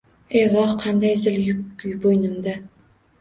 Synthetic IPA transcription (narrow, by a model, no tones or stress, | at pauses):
eʁɒhqʰɑnd̪ajzɪljʊkkʲʊjbojnɪmd̪a